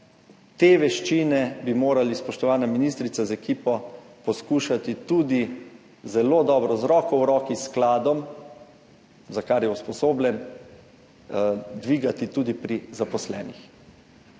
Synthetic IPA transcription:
t̪eːʋɛʃt͡ʃinɛbimoːɾalispɔʃt̪ɔʋaːnaminist̪ɾit̪sazaɛkiːpɔpɔskuːʃat̪it̪ud̪i | zɛloːd̪ɔːbɾɔzɾɔːkɔwɾɔːkisklaːd̪ɔm | zakaɾjɛuspɔsoːblʲɛn | d̪ʋiːɡat̪it̪ud̪ipɾizapɔslɛ̰ːnix

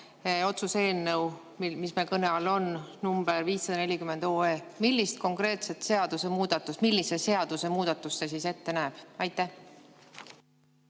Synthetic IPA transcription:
o̞t̪suse̞ːnːəw | mmismelkɤne̞ɑlo̞nnumb̥eɾviːsːɑd̪ɑne̞lʲikymend̪̥o̞ːeːmilʲːist̪̚ko̞ŋkre̞ːt̪se̞t̪se̞ɑd̪̥use̞muːd̪̥ɑt̪ːˑust̪milʲːisese̞ɑd̪̥use̞muːd̪̥ɑt̪ːˑusːes̬ise̞t̪ːe̞næːb̥ɑjt̪ːˑæ

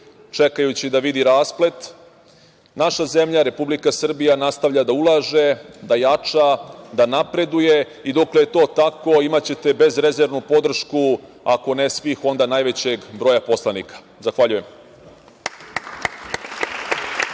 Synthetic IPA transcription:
t͡ʂe̞kajut͡ɕid̪aʋid̪iɾaːsple̞t̪ | naʃaze̞mʎaɾe̞publikasr̩bijanast̪aʋʎad̪aulˠaːʒe̞d̪ajat͡ʂad̪anapɾe̞d̪uje̞ | id̪oklejet̪o̞ːt̪ako̞imat͡ɕe̞t̪e̞be̞zɾe̞zeɾʋnupo̞d̪r̩ʃku | ako̞nesʋiːxo̞nd̪anajʋe̞t͡ɕe̞ɡbɾo̞ːjapo̞slanḭkḁ | zaxʋaʎuje̞m

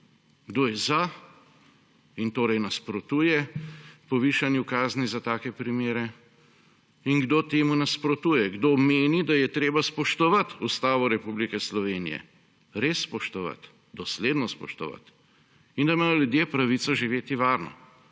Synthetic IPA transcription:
ɡd̪oːjɛza | int̪oːɾɛjnaspɾɔt̪uːjɛpɔʋiːʃanjukaːznizat̪aːkɛpɾimeːɾɛ | inɡd̪oːt̪eːmunaspɾɔt̪uːjɛɡd̪omeːnid̪ajɛt̪ɾeːbaspɔʃt̪ɔʋɐt̪ust̪aːʋɔɾɛpublikɛslɔʋeːnḭjɛ̰ | ɾeːsːpɔʃt̪ɔʋa̰t̪ | d̪ɔsleːd̪nɔspɔ̰ʃt̪ɔ̰ʋa̰t̪ | ind̪amaːjɔljud̪jeːpɾaʋit̪sɔʒiʋeːt̪iʋaːɾnɔ̰

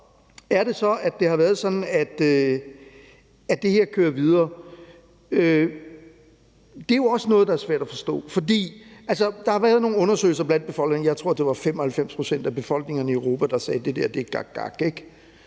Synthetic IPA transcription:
æɐɾ̥e̝sɒ̽æd̥e̝hɑ̈ʋæːɐð̞ˠsɒ̽d̥n̩æd̥ø | æd̥e̝he̝ɐ̰kʰøːɐʋið̞ˠɐː | ø | d̥eæjo̝ɒ̽sənɔ̽ːð̞̩ˠd̥ɑ̈æɐsʋæɐ̰d̥æfɒ̽sd̥ɔ̰̽ːfɒ̽d̥ḭːælsɐd̥ɑ̈hɑ̈ʋæɐð̞̩ˠno̝ːŋn̩ɔ̽nɐsø̰ːɪl̩sɐb̥lænd̥̚b̥e̝fɒ̽l̰ɡ̥ne̝ŋjɑ̈ɪt͡sʰʁo̝ɐ̰d̥e̝ʋɑ̈femɒ̽hælfem̰spʰʁo̝sen̰d̥æb̥e̝fɒ̽l̰ɡ̥ne̝ŋɐnəiəʊʁo̝ːpʰæd̥ɑ̈sɛːd̥e̝d̥eɐ̰d̥e̝̥ɡ̥ɑɡ̥ɑ̰ɡ̥eɡ̥

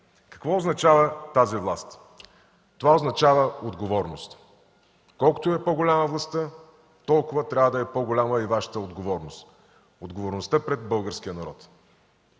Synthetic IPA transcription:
kɐ̥kvɔoznɐt͡ʃavət̪azivlˠast̪ | t̪ovaoznɐt͡ʃavəod̪ɡovɔɾnost̪ | kɔlˠko̥t̪ʊɛpoɡolʲaməvlˠɐst̪ə | t̪ɔlˠkʊvət̪ɾʲavəd̪ɐɛpɔɡolʲaməivaʃə̥t̪əod̪ɡovɔɾnʊst̪ | od̪ɡovoɾnʊst̪əpɾɛd̪bɤlˠɡəɾsk̟ijənɐɾɔt̪

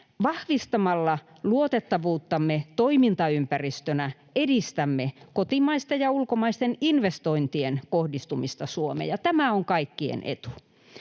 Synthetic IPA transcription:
ʋɑhʋist̪ɑmɑlːɑ | luot̪et̪ːɑʋuːt̪ːɑmːet̪oimint̪ɑympærist̪ønæ | edist̪æmːekot̪imɑist̪ejɑulkomɑist̪eninʋest̪oint̪ienkohdist̪umist̪ɑsuomḛjɑt̪æmæoŋkɑikːiḛnʔḛt̪u̥

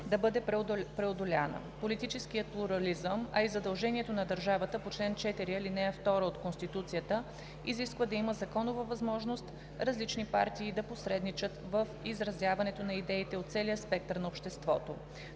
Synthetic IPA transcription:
d̪ɐbɤd̪ɛppɾɛod̪olʲa̰nə̰polit̪it͡ʃɛsk̟ijət̪̚plˠuɾɐlizəmɐ̰izɐd̪ɐlˠʒɛniɛt̪onɐd̪ɐɾʒavət̪əpot͡ʃlɛnt͡ʃɛt̪iɾiɐlinɛɐft̪ɔɾəot̪konst̪it̪ut̪sijət̪ə | iziskvəd̪ɐiməzɐkɔnovəvɐzmɔʒnost̪ | ɾɐzlit͡ʃnipa̰ɾt̪iːd̪ɐposɾɛd̪nit͡ʃət̪vəfizɾɐzʲjavɐnɛt̪onɐid̪ɛit̪ɛot̪t̪sɛlijəspɛk̚t̪ɾnɐopʃt̪ɛst̪vɔt̪o

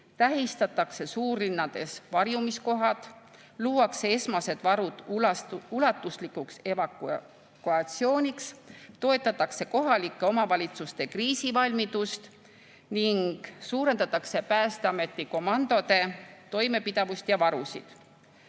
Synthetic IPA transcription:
t̪æɦist̪ɑt̪ːˑɑkse̞suːrːinːɑd̪̥e̞svɑrjumisko̞ɦɑt̪ | luːɑksee̞smɑse̞d̪̥vɑɾud̪̥ | ulɑt̪ːˑuslikukse̞vɑk | kuɑt̪sio̞ːnʲikst̪o̞e̞t̪ːˑɑt̪ːˑɑkse̞ko̞ɦɑlikːeo̞mɑvɑlʲit̪sust̪e̞kriːsivɑlʲmit̪ust̪ | niŋɡ̥suːɾe̞nd̪ɑt̪ːˑɑkse̞pæːst̪eɑme̞t̪ːˑiko̞mɑnd̪o̞d̪e̞t̪o̞jme̞pid̪̥ɑvust̪jɑvɑɾusḭd̪̥

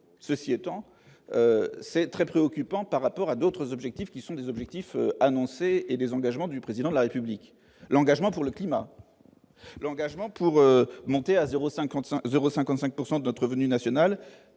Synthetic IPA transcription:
səsiɛt̪ɑ̃ | øsɛt̪χɛpχeɔkʲypɑ̃paʁːapɔʁad̪ot̪χəzɔbʒɛk̚t̪ifkʲisɔ̃d̪ezɔbʒɛk̚t̪ifø̰anɔ̃seed̪ezɑ̃ɡaʒmɑ̃d̪ypχezid̪ɑ̃d̪əlaʁepyblik | lɑ̃ɡaʒmɑ̃puʁləklima̰ | lɑ̃ɡaʒmɑ̃puʁømɔ̃t̪eazeʁosɛ̃kɑ̃t̪ɛ̃zeʁosɛ̃kɑ̃t̪sɛ̃k̚puʁsɑ̃d̪ənɔt̪χəvənynasjɔnal

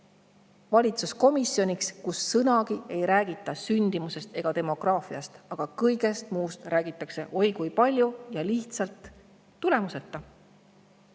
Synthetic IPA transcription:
vɑlʲit̪susko̞misjo̞nʲikskusːɤnɑkie̞jɾæːɡ̥it̪ˑːɑsynʲd̪̥imuse̞st̪e̞ɡ̥ɑt̪e̞mo̞ɡ̥rɑːfiɑst̪ɑɡ̥ɑkɤjɡe̞st̪muːst̪rʔæːɡ̥it̪ˑːɑkse̞ʔo̞jkujpɑlʲjujɑliht̪sɑlt̪ː | ule̞muse̞t̪ːɑ

